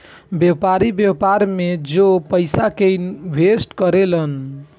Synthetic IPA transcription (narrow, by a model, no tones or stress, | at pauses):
bjepaɾibjepaɾmed͡ʒopəɪsakenbʱesʈkəɾelən